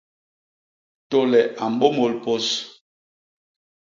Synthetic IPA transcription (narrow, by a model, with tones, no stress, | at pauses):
to˦lɛ˨ʔa˨m˦ɓo˦mo˨lpo˦s